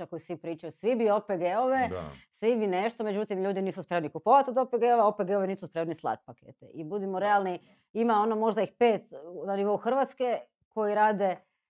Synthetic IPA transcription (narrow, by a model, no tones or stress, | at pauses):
akojusʋipɾiːt͡ʃajusʋibiopeɡeoʋḛsʋibineʃt̪o̞me̞d͡ʒut̪imʎuːd̪iniːsuspɾe̞mnikupoʋat̪iod̪opeɡeoʋeopeɡeoʋeniːsuspɾe̞mnislˠa̰t̪̚pakḛːt̪ḛʔibud̪imoɾe̞alˠni | imaonomo̞ʒd̪aixpe̞ːt̪naniʋo̞uxr̩ʋat̪ske | ko̞jiɾaːd̪e